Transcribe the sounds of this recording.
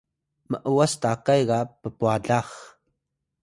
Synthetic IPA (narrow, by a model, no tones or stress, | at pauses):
məʔəwast̪akajɣapəpuaɮaχ